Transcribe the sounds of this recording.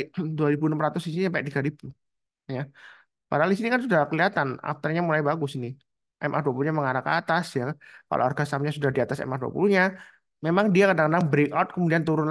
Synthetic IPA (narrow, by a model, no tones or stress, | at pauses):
duaɾibunəmɾat̪ʊsiinisampak̚t̪iɡaɾib̥u | ja | padaɦaldis̬inikansudakəliat̪ana̰f̚t̪ərɲamulajbaɡʊsini | ʔɛmʔaduapuluɲaməŋaɾaka̰t̪asjaka̰lʔa̰arɡasamɲasudahdiat̪asɛ̰mahdua̰pṵluɲa | memaŋdiakadaŋkadaŋbɾekawt̪̚kəmudiant̪uɾʊn